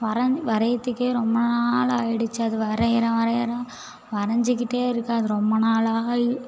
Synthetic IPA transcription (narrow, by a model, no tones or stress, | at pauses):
ʋɐɾɐɲʋɐɾɐjɐt̪ːɯkːeːɾɔmbɐnaːlajɪɽɯt͡ʃːaːðɯʋɐɾɐjɐɾɐ̃ʋɐɾɐjɐɾɐ̃ | ʋɐɾɐɲd͡ʒɪkːɪʈːeːɪɾɯkːaːðɯɾɔmbɐnaːlaː